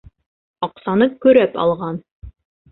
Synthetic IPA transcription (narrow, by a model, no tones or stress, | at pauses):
ɑqsɑnɤkɵ̆ɾæpɑ̰lˠʁɑn